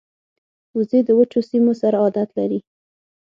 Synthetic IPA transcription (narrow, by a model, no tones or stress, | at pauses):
uzed̪əwət͡ʃosimosaɾaɑd̪at̪laɾi